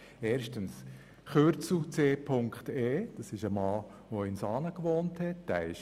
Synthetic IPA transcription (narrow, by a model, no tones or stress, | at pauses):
eːɾʃtəns | χøɾt͡sl̩t͡seːpʰʊŋkχteːd̥ɑsɪʃəmɑː | ʋoɪnsɑːnəkʋoːnthɛt̚d̥æ̰ɪʃ